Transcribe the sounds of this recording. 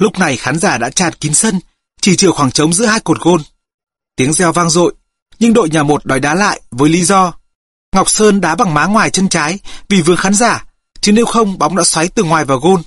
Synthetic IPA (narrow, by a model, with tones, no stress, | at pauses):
lʊ˦˥k͡p̚na˨˩jxaː˨˦nzaː˧˩ɗa̰ː˧˥t͡ɕaː˧˩nki˨˦nsə˧n | t͡ɕi˧˩t͡ɕɨ˧˩əxwaː˧˩ŋt͡ɕə˨˦wŋ͡mzɨ̰˧˥əhaː˧jko˨˩t̚ɣo˧n | t̪i˨˦əŋzɛ˧wvaː˧ŋzo̰˧˨j | ɲɨ˧ŋɗo̰˧˨jɲaː˨˩mo˨˩t̚ɗɔ˨˦jɗaː˨˦la̰ː˧˨jvəː˨˦jli˨˦zɔ˧ | ŋa˨˩wk͡p̚səː˧nɗa̰ː˧˥ɓa˨˩ŋmaː˨˦ŋwaː˨˩jt͡ɕə˧nt͡ɕaː˨˦jvi˨˩vɨ˨˩əŋxaː˨˦nzaː˧˩ | t͡ɕɨ˨˧˦ne˧wxə˧wŋ͡mɓa˨˦wŋ͡mɗa̰˧˥swa˨˦jt̪ɨ˨˩ŋwaː˨˩jvaː˨˩wɣo˧n